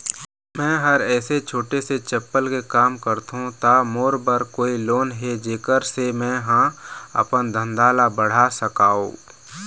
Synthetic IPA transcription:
mɛ̃ːɦəɾɛːset͡ʃʰoːʈeset͡ʃɐpːəlkekaːmkəɾt̪ɦũt̪amoːɾbəɾkoːiloːnɦed͡ʒeːkəɾsemɛ̃ːɦãɐ̰pənd̪ʱə̃nd̪aːlabəɽ̤asəkaːõ̰ː

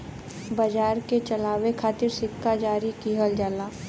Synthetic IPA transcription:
bɐd͡ʒaːɾket͡ʃɐlaːwekʰaːt̪ɪɾsɪkːad͡ʒaːɾikiɦəld͡ʒalaː

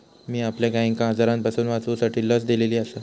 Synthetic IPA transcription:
miːapljaɡaiŋkãɦəd͡zaɾãnpəsuːnʋat͡sosaʈʰiːləsd̪eleliːasa

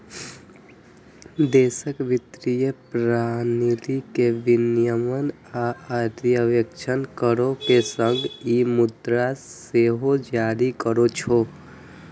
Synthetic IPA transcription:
d̪eːsəkʋɪt̪ɾijəpɾanilikeʋɪnjəmən | aəd̪jəʋjəkt͡ʃʰənkəɾopesəŋɡimud̪ɾas | eɦod͡ʒaːɾikəɾot͡ʃʰo

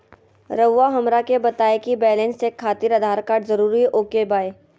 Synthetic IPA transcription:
ɾəwːaɦɐmɾakebɐt̪aːekibɛːlẽnsekʰːaːt̪ɪɾɐd̪ʱaːɾkaːɾʈzɐɾuːɾiʔoːkebaːe

